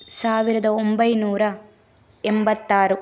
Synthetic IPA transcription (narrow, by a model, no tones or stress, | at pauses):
saːʋiɾɐd̪ɐombɐjnuːɾɐ | embɐt̪ːaːɾu